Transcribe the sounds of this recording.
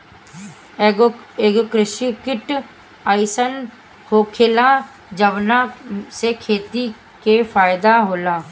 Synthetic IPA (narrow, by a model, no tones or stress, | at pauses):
eːɡokɾɪʃikɪʈ | aːɪsən | hoːkʰɪla | d͡ʒəʋnasekʰeːt̪i | kefaːjd̪aɦoːlaː